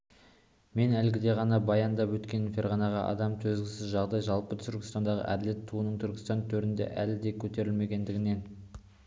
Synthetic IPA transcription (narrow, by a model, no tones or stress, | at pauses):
me̞nælɡʲɪd̪e̞ʁɑnɑbɑjɑnd̪ɑpwɵt̪kʲe̞nfʲe̞ɾʁɑnɑʁɑʔɑ̰d̪ɑmt̪ʰɵzɡʲɪsɪzʒɑʁd̪ɑjʒɑlˠpət̪ʰʏɾkʲɪ̥st̪ɑnd̪ɑʁə̰ʔæd̪ɪle̞t̪ʰːuənəɴt̪ʰʏɾkʲɪ̥st̪ɑnt̪ʰɵɾɪnd̪e̞̰ʔælɪd̪e̞kʲʰɵt̪e̞ɾɪlme̞ɡʲe̞nd̪ɪɡʲɪne̞n